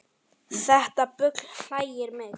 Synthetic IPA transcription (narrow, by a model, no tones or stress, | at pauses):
θɛht̪apʏkll̥aːjjɪɾmɛɣ